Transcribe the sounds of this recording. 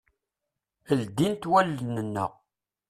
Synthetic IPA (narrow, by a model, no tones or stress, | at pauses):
əld̪int̪wælːənənːə̰ʁ